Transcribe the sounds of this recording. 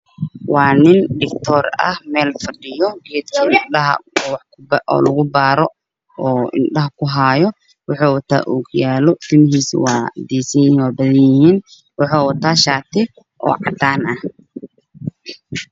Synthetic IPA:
wɑːnɪnɖɪkt̪ʰɔːrɐ̰hmɛːlfɐɖɪjɔɡɛːd̪kʰiɪnɐɦɐ̰wɑħkbɔ̰ːlɐɣʊbaːɾɔ | ɔːɪ̰nɖɐɦɐkʰʊɦaːjɔ | wɑħɔːwɐt̪ʰa̰ːʔuːkʰʊjaːlɔt̪ʰɪmɪɦiːswɑːd̪iːsɐnjɪiːnwaːbɐðɐnjɪhiːn | wɑħaːwɐt̪ʰaːʃaːt̪ʰɪ | ʔɔ̰ːʕɑ̰d̪aːnɐh

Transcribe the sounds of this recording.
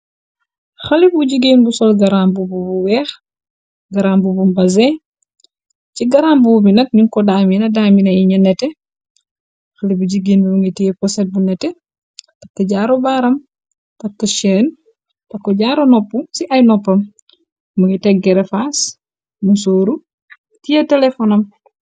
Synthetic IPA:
xɐlibuɟiɡinbusɔlɡɐɾaːmbububuwɛːx | ɡɐɾaːmbubumbɐzɛ | ciɡɐɾaːmbubinɐk̚niŋkɔdaːminɐdaːminɐiɲɐnɛtɛ | xɐlibuɟiɡinbibuŋɡitiːpɔsɛt̚bunɛtɛ | tɐkːɐɟaːɾobaːɾɐm | tɐkːɐʃɛːn | tɐkːɔɟaːɾonɔpːusiʔɐjnɔpːɐm | muŋɡitɛɡɡɛɾefas | musoːɾu | tijɐtɛlɛfɔnɐm

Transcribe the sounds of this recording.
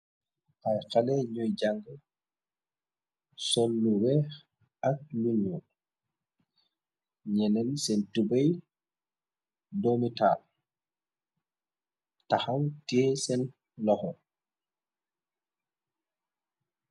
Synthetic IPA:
ʔajxalɛɲɔjd͡ʒaŋɡa | sɔlːuwɛ | ak̚lunijɔn | ɲɛnɛnsɛntubaj | domital | tahawtɛsɛn | lɔhɔ

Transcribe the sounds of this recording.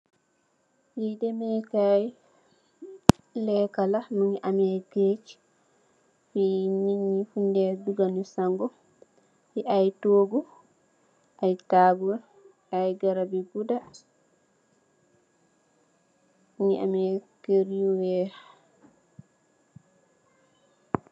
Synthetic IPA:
jidɛmɛkaj | lɛkalanuɲiʔamajɡet͡ʃi̥ | finiɲːifundɛduɡanusaŋɡɔ | fiʔajtoːɡu | ʔajtaːbuɾa | ajɡaɾabiɡuda | nuɲiʔa̰mɛkeɾijuwɛːɾ

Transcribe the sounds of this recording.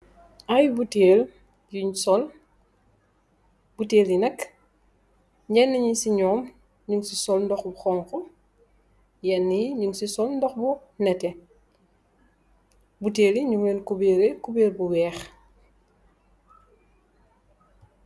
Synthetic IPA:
ajbuteːl | juɲsɔl | buteːljinɐk | ɲɟɛnːiɲisiɲɔːm | ɲuŋsisɔlndɔxbuxɔŋxɔ | jɛnːiɲuŋsisɔlndɔxbunɛtɛ | buteːliɲuŋenkubeːɾɛkubeːlbuwɛːx

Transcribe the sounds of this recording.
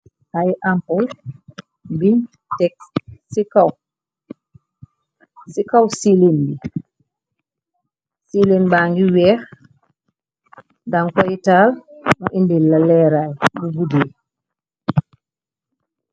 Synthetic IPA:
hajʔampɔl | biɲ | tɛkssikaw | sikawsilenbi | silenbaŋɡiwɛɾ | daŋkɔjtalnɔʔindilalɛɾajmuɡudɛː

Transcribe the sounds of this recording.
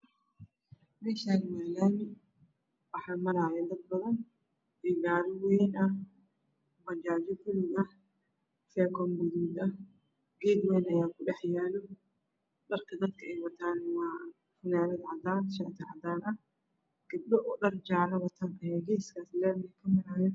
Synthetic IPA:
mɛːʃaːnɪmaːlaːnɪ | wɑħɑːmɐɾaːjɛd̪ɐd̪̚bɐðɐn | ɛːɡaːɾɪwɛːnɐh | bɐt͡ʃaːd͡ʒɔkʊlɪɡɐ | fɛːkʰɔmbʊðuːd̪ɐh | ɡɛːd̪wɛːjnɐjaːkʰʊɖɛħjaːlɔ | ɗɐrkʰɐd̪ɐd̪kʰɐɛjwɐt̪ʰaːnwaː | fɪnaːnɐd̪ʕɑd̪aːnʃɐt̪ʰɪʕɑd̪aːnɐh | ɡ̥ɐd̪̚bɔʔɔɗɐrd͡ʒaʕlɐwɐt̪ʰaːnkɐjaɡɛːskʰaːslɛːmɪɪkʰɐmɐɾaːjɐ

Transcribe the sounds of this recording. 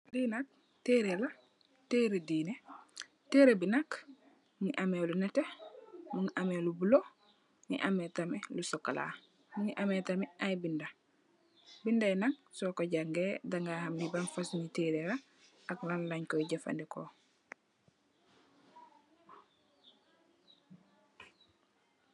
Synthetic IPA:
linak̚ | teɾela | teːɾediːne | teːɾebinak | ŋiʔamelunɛtemuŋʔamelubulo | nḭʔametamelusɔkːala̰ | ŋiʔametameajbinda | bindanaŋsokoɟaŋɡeːdaŋɡahamdibanfasuniteːɾeɾa | aklanlaɲkoiɟafa̰ndiko

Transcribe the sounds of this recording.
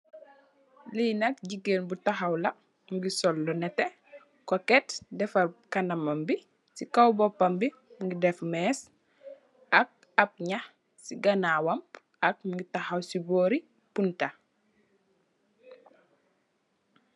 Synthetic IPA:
linɐk̚ɟiɡenbutaxawlɐ | ŋɡisɔlːɔnɛte | kɔkɛtdɛfakanamambi | sikawbɔpːambi | ŋɡidɛfmɛːs | ɐk̚ | ap̚ɲah | siɡanawamb | ak̚ɡitahawsiboːɾi | punta

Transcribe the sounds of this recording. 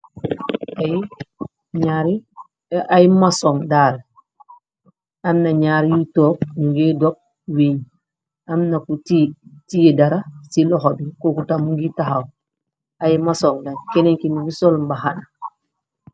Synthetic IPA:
aj | ɲaɾi | ajmasɔŋdaɾ | amnaɲaɾijitɔːk̚muŋɡedɔk̚ | wiɲ | amnakutitijedaɾasilɔxɔbikokutamuŋɡitaxaw | ajmasɔŋdakɛnɛɲkinuɡisɔlmbahana

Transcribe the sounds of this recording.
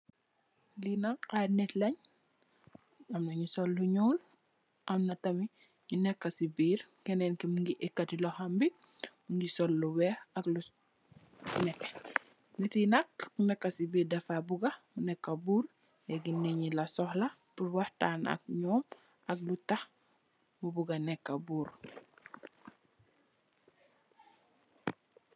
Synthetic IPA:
linɐkanɛtlɐɲ | ɐmnɐɲusɔlːuɲɔːl | ʔɐmnɐtɐmi | ɲunɛkːɐsibiːɾkɛnɛnkimuŋɡiʔɛkːɐtilɔhɐmbi | muŋɡisɔlːuwɛɐklu | nɛkː | nɛtinakːunɛkːasibiːɾdɐfabuɡɐmunɛkːɐbuːɾ | jɛɡinɛɲilɐsɔhlɐ | puɾwahtana̰k̚ɲɔːm | ɐk̚lutax | mubuɡanɛkːɐbuːɾ

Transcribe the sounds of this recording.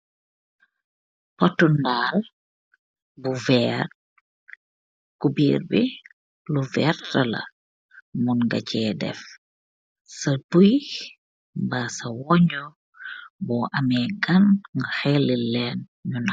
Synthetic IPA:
pɔtːundaːl | buvɛːr | kubiːrbi | luvɛːrtɐlɐ̰ | munɡɐ̰cɛːdɛ̰f | sɐbuj | mbasɐwɔɲɔ | bɔːʔɐmɛːɡɐnŋɡaxɛlːilɛːn | ɲuna

